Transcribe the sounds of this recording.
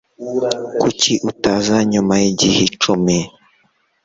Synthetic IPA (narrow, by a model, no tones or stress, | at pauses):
kucʰiʔutazaɲumajiɟihit͡ʃume